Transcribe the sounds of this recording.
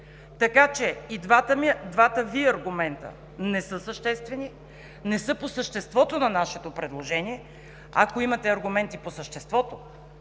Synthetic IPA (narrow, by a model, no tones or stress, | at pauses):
t̪ɐkat͡ʃɛid̪vat̪əmid̪vat̪əviɐɾɡʊmɛnt̪ə̰ | nɛsɤsəʃt̪ɛst̪vɛni | nɛsɤposəʃt̪ɛst̪vɔt̪onɐnaʃɛt̪opɾɛd̪lˠoʒɛniɛ | akoimɐt̪ɛɐɾɡʊmɛnt̪iposəʃt̪ɛst̪vɔt̪o